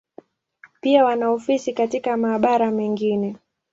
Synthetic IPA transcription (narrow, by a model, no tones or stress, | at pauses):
piawanaɔfisikatikamaːɓaɾamɛŋɡinɛ